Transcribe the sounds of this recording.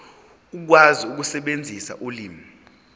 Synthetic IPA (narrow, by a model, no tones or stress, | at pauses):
uk̬waziuk̬usɛɓend͡zʱisa̰ʔuliːmi